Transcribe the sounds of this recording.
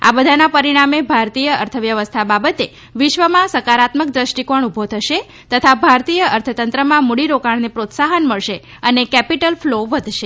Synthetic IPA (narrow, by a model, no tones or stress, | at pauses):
a̰bəd̪ʱanapəɾiɽ̃amebʱaɾt̪ijəəɾt̪ʰəʋjəʋəst̪ʰababət̪e | ʋɪʃʋəmãsəkaɾat̪mək̚d̪ɾəʃʈikoɳubʱot̪ʰəʃe | t̪ət̪ʰabʱaɾt̪ijəəɾt̪ʰət̪ənt̪ɾəmãmuɽiɾokaɳnepɾot̪saɦənməɭʃe | ənekɛpiʈəlfloʋəd̪ʱʃe